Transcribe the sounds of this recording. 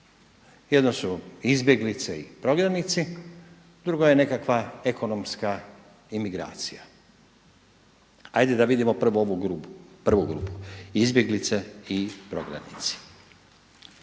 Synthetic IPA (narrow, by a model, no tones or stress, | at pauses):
jed̪no̞suizbje̞ɡlit̪seipɾo̞ɡɾanit̪si | d̪ɾuɡo̞jene̞kakʋae̞ko̞no̞mska | imiɡɾa̰ːt̪sija | ajd̪ed̪aʋid̪imo̞pr̩ʋooʋuɡɾupr̩ʋuɡɾṵpu̥izbʲje̞ɡlit̪seipɾo̞̰ɡɾa̰nit̪si̥